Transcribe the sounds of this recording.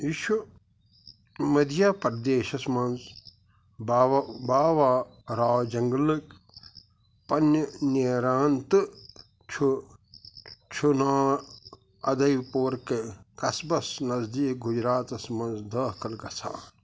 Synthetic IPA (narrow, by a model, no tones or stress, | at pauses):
iːʃu | mɐd̪jaːpɐɾd̪eːʃɐsmɐnz | bbaːʋaː | ɾaːd͡ʒɐŋɡlɨk | pɐnəniɾaːnt̪ɨ | t͡ʃʰu | t͡ʃʰunaː | ɐ̰d̪ɐjpoːɾkekɐsbɐsnɐzd̪iːk̚ɡud͡ʒɾaːt̪ɐsmɐ̃nzd̪ɐːkʰɐlkɐsʰa̰ː